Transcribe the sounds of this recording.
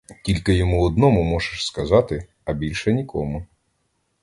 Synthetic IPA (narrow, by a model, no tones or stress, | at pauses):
tʲilʲkɪjɔmuɔd̪nɔmʊmɔʒeʃskɐzɑt̪ɪ | ɐbʲilʲʃɛnʲikɔmʊ